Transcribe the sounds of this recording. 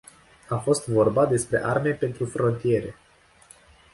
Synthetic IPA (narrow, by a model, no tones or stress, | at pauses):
afo̞st̪vo̞rbad̪e̞spɾe̞ʔarme̞pe̞nt̪ɾufɾo̞nt̪ije̞ɾe̞̰